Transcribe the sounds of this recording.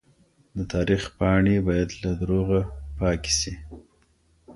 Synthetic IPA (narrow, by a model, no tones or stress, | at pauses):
d̪ət̪ʰɑɾixpɑɳebɑjad̪lad̪ɾoɣapɑki̥si